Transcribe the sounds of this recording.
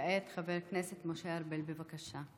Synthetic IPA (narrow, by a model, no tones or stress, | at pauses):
et̪χaveʁkneset̪moʃeaɾbelbevakaʃa